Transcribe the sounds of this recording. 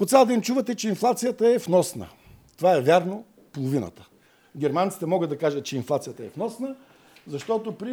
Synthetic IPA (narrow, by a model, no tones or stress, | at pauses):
pot̪sʲalˠd̪ɛimt͡ʃuvɐt̪ɛt͡ʃɛinflˠat̪sijət̪əɛfnɔsnə̰ | t̪ovaɛvʲjaɾno | polˠovinə̰t̪ə̥ | ɡʲɛɾmant̪si̥t̪ɛmɔɡəd̪ːɐkaʒət̪̚t͡ʃɛinflˠat̪sijət̪əɛfnɔsnə | zɐʃt̪ɔt̪opɾi